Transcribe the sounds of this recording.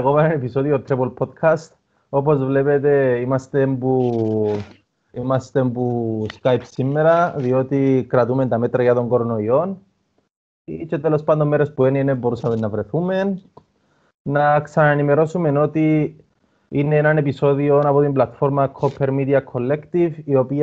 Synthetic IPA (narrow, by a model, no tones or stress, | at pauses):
ɣopɐenɐnepiso̞ðiot̪ɾibolpʰo̞d̪kʰɐst̪ | o̞po̞zvle̞pet̪e̞imɐst̪e̞mbu | imɐst̪e̞mbuskajpsimːe̞ɾɐðio̞t̪ikɾɐt̪ume̞nt̪ɐme̞t̪ɾɐʝɐt̪o̞ŋɡo̞ɾono̞io̞n | it͡ʃe̞t̪elo̞spɐnd̪omːeɾe̞spuenienebo̞ɾusɐmenːɐvɾe̞θume̞n | ɐksɐnaenime̞ɾo̞sume̞no̞t̪i | ineenɐne̞piso̞ðio̞nɐpo̞t̪imblɐt̪fo̞ɾmɐkʰopʰːe̞ɾmid̪iɐkʰo̞lːe̞kt̪ivio̞pi